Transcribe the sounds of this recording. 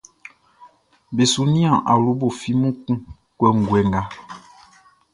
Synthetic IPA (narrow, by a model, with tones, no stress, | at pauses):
be˨su˦˨nĩ˦ã˨ʔa̰˨lu˦bo˨fi˦mũ˦kũ˦˨ | kwɛ˦ŋ̩˨ɡwɛ˨ŋ˨ɡa˦